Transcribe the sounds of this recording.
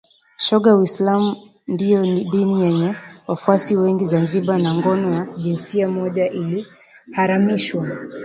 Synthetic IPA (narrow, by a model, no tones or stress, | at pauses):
ʃɔɠawislamu | ndijɔniɗinijɛɲɛwafuasiwɛŋɡizanziɓanaŋɡɔnɔjaʄinsiamɔʄaʔili | haɾamiʃwa